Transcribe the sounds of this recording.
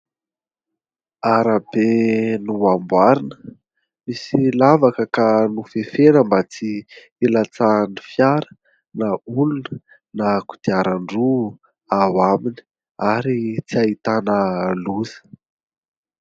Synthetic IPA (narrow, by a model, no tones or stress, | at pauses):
aɾabenuambwaɾinə̥ | misilavakəkanufefenəmbat͡si | elat͡sanifjaɾə̥ | naulunə | naku̥d̪̥iaɾaɳɖ͡ʐu | awamini̥ | aɾit͡siait̪anəluzə̥